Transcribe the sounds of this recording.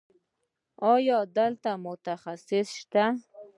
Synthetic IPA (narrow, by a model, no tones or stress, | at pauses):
ɑjɑd̪əlt̪amʊt̪axasɪsʃt̪a